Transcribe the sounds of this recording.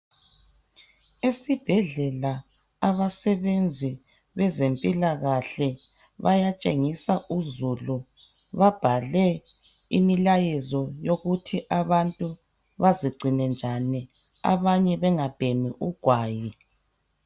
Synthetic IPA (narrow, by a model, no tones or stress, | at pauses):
esib̥ʱɛɮɛla | aβasɛβend͡zʱi | βɛzempʼilaɣaɬɛ | βajat͡ʃʼeŋisaʔuzulu | βab̥ʱalɛ | ḭmilajɛzɔjoɣutʰiʔaβantʼu | βaziɡ͡ǀʱinɛnd͡ʒʱani | a̰βaɲɛβɛŋab̥ʱemiʔuɡ̥ʱwaːji